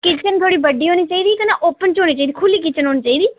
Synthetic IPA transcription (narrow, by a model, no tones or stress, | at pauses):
kɪt͡ʃt͡ʃənt̪ʰoːɽiːbəɖiːɦoːniːt͡ʃaːiːd̪iːkənaːʔoːpənt͡ʃɦoːñiːt͡ʃaːid̪iːkʰʊliːkɪt͡ʃənɦoːñiːt͡ʃaːiːd̪iː